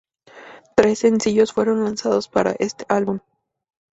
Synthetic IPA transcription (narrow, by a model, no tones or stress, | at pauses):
t̪ɾe̞sːe̞nsiʝo̞sfwe̞ɾo̞nlansaðo̞spaɾa̰ʔe̞st̪e̞ʔalβum